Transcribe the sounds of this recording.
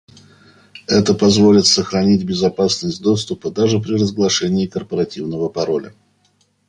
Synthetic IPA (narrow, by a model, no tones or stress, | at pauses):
ɛt̪əpɐzvo̞lʲɪt̪səxɾɐnʲitʲbʲɪzɐpasnəsʲtʲd̪o̞st̪ʊpəd̪aʐɨpɾʲɪrəzɡlˠɐʂɛnʲɪːkərpəɾɐtʲivnəvəpɐɾo̞lʲə̰